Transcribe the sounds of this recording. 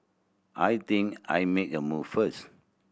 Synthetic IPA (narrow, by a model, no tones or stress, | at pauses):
ʔajt̪ĩŋka̰jmek̚əmuvfəs